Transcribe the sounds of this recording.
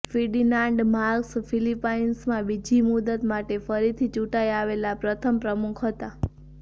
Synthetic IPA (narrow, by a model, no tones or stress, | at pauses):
fiɖinãɳɖmaɾksfilipainsmãbid͡ʒimud̪ət̪maʈefəɾit̪ʰit͡ʃuʈaiaʋelapɾət̪ʰəmpɾəmukʰɦət̪a